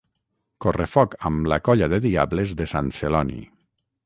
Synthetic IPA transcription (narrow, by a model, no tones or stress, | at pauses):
korefɔkamlakɔʎaðeðiaβlezðesanselɔnḭ